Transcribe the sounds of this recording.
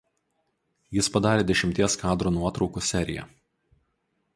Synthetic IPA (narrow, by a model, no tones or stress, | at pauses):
jɪspɐd̪ɑːɾʲeːd̪ʲɛʃʲɪmʲt̪ʲiɛskɑːd̪ɾoːnuɔt̪ɾɒʊkuːsʲɛɾʲɪ̰jɛ̰